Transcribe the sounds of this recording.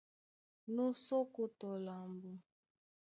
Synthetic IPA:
nu˦so˦ku˦tɔ˨la˨mbu˨

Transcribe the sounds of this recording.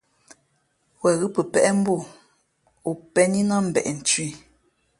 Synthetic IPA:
wɛ˨ɣɨ˦pə˨pɛ˦ʔɛ˦m̩˦bu˦˨ | u˨pɛ˦ɲi˦na˦m̩˨bɛ̰˨ʔɛ˨n̩˨t͡ʃɥi˦˨

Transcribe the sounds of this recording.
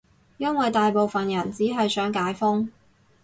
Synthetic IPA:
jɐ˥nwɐ˨jt̪aː˨jpo˨wfɐ˨njɐ˨˩nt͡siː˨˥ɦɐ˨jsœː˨˥ŋkaː˨˥jfʊ˥ŋ

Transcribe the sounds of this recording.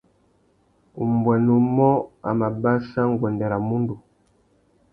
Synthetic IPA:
u˨mbwɛ˨nu˨mɔ˦a̰˨ma˨ba˦ʃa˦ŋ˦˨ɡwɛ˨ndɛ˨ɾa˨mu˦ndu˨

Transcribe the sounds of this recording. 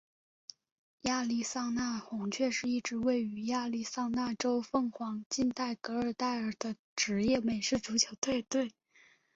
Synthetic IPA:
ja˥˧li˥˧sɑ˥˧ŋna˥˩xʊ˧˥ŋt͡ɕʰɥɛ˥˧ʂɻ̩˥˧i˥˩ʈ͡ʂɻ̩˧˥we˥˩ɪy˧˥ja˥˧li˥˩sɑ˥˧ŋna˥˩ʈ͡ʂo˥ʊfɤ˥˩ŋxwɑ˧˥ŋt͡ɕi˥˧nt̪a˥˩ɪkɤ˧˥ə˞˨˩t̪a˥˩ɪə˞˨˩d̪ə˦ | ʈ͡ʂɻ̩˧˥jɛ˥˩me˨˩ɪʂɻ̩˥˩ʈ͡ʂu˧˥t͡ɕʰjo˧˥ʊt̪ʰwe˥˧ɪt̪we˥˩ɪ

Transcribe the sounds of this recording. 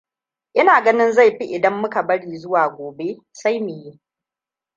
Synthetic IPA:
ʔɪ˦naː˨ɡɐ˦nɪ˦nza˦˨jɸi˦ʔɪ˨dɐ˦mːʊ˦ka˨bɐ˦ɽiː˨zʊ˦waː˨ɡʷoː˨be˦ | sa˦jmʊ˨ji˦

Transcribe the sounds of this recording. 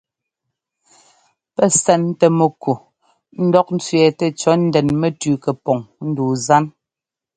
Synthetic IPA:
pɛ˦˨sɛ˨n˦tɛ˨mɛ˨kʰu˨ | n̩˦dɔ˦k̚n̩˦t͡sɥɛ˨tɛ˨t͡ʃɔ˨˦n̩˦dɛ˨nmɛ˦tʉː˨kɛ˨pɔ˨ŋn̩˦duː˨za˦n

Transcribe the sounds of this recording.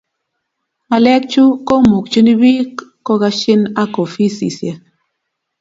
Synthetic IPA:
ma˨lɛ˦k̚t͡ʃu˦ko˦mu˨k̚t͡ʃu˦ni˦bi˦kː | ɔ˦ɣa˦ʃi˦na˦ko˨fi˦sḭ˨sja˨

